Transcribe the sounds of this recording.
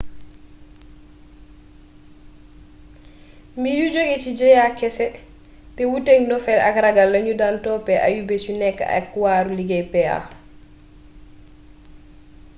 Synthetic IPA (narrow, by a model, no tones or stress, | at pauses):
mijud͡ʒoɡɛt͡ʃid͡ʒɛjakɛsɛ | tɛwuteŋdɔfɛla̰kɾaɡalːaɲudantɔːpɛʔa̰jubesunɛkːa̰a̰kːuwaːɾuliɡɛpɛa̰